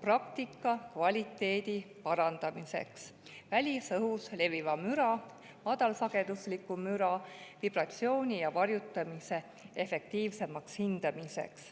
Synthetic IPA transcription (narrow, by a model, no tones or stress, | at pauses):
prɑkt̪ikːˑɑkvɑlʲit̪ːˑe̞ːd̪̥ipɑɾɑnd̪̥ɑmise̞̰ks | vælʲisɤɦusle̞vivɑmyɾɑ | mɑd̪̥ɑlsɑɡ̥e̞d̪̥uslikːˑumyɾɑvib̥rɑt̪sio̞ːnʲijɑvɑrjut̪ːˑɑmise̞ | efe̞k̚t̪iːvse̞mɑkshind̪̥ɑmise̞̰ks